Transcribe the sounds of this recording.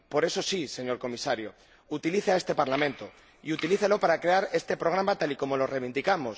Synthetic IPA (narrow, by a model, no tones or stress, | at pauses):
po̞ɾe̞so̞sise̞ɲo̞ɾko̞misaɾjo | ut̪iliθeae̞st̪e̞paɾlamẽnt̪o̞ | ḭut̪iliθelo̞paɾakɾe̞aɾe̞st̪e̞pɾo̞ɣ̞ɾamat̪aliko̞mo̞lo̞reβind̪ikamos